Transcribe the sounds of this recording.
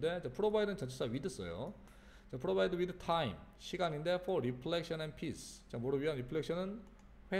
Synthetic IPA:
de̞t͡ɕapʰɯɾobaidɯnt͡ɕʌnt͡ɕʰes͈aɥidɯs͈ʌ̰jo̰ | t͡ɕapʰɯɾobaidɯwidɯtʰaim | ɕʰiɡaɲinde̞fʰoɾipʰɭek̚ɕ͈ʌnanpʰisʰt͡ɕamoɾɯɥiɦanɾipʰɯɭekɕʰʌnɯn | ɸwe

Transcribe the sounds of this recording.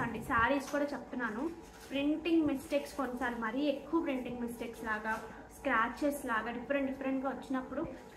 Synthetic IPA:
ɐɳɖisaːɾiːskuːɽaːt͡ʃep̚ut̪unːaːnu | pɾiɳʈiŋɡmisʈeːkskonsaːlumɐɾiekːuʋɐpɾiɳʈiŋɡmisʈeːkslaːɡaː | skɾaːt͡ʃɐɾslaːɡaːɖipʰːɐɾeɳʈɖipʰːɐɾeɳʈɡaːʋɐt͡ʃːinɐpːuɽu

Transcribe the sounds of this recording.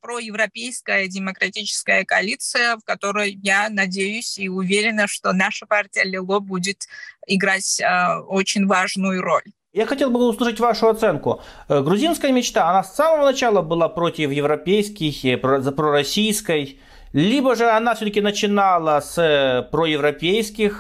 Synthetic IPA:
pɾojɪvɾɐpʲejskəjədʲɪməkɾɐtʲit͡ɕɪ̥skəjəkɐɐlʲit̪sɨjəfkɐt̪o̞ɾəjjanɐdʲejʊsʲiʊvʲeɾʲɪnəʂt̪o̞naʂəpartʲɪjəlʲɪlˠobudʲɪt̪ɪɡɾatʲəot͡ɕɪnʲvaʐnʊjʊɾo̞̰lʲ | jaxɐtʲe̞lˠbɨʊslˠɨʂətʲvaʂʊɐt̪sɛnkʊɡɾʊzʲinskəjəmʲɪt͡ɕt̪aɐnasːaməvənɐt͡ɕalˠəbɨlˠapɾotʲɪfjɪvɾɐpʲejskʲɪxpzpɾoɾɐsʲijskəj | lʲibəʐɨɐnafsʲot̪əkʲɪnət͡ɕɪnalˠəspɾojɪvɾɐpʲejskʲɪx

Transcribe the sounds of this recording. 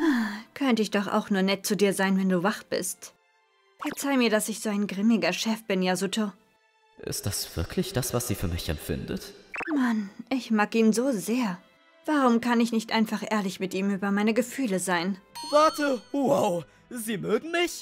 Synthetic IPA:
akʰœntəɪçd̥ɔχa̰ʊxnuːɐnɛt̚t͡sudiːɐzaɪnvɛnduːvaχb̥ɪ̰st | fɛɐt͡saɪmiːɐdasɪçz̥oːaɪnɡʁɪmɪɡɐʃɛfb̥ɪnjaːzutʰo | ʔɪ̰st̚d̥asv̥ɪɐkʰlɪçd̥asv̥asz̥iːfyːɐmɪçɛ̰mfɪ̰ndə̰tmanʔɪçmaːkiːnzoːzeːɐ | v̥aʁʊmkʰanɪçnɪçtʔa̰ɪnfaχʔeːɐlɪçmɪtʔiːmyːbɐmaɪnəɡəfyːləzaɪnvaɐtəhuaʊ | ziːmøːɡŋ̩mɪç

